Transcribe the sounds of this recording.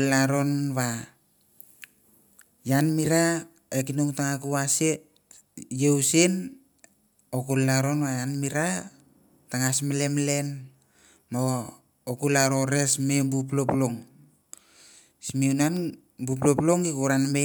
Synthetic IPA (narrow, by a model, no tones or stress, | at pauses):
laɾo̞nβa | janmiɾa | ekinuŋtaŋakuwase | jewsin | okulːaɾonβajanmiɾa | taŋasmelemle̞n | moː | kulaɾo̞ɾe̞smebup̬loploŋ | simeunan | bup̬loploŋikuɾanme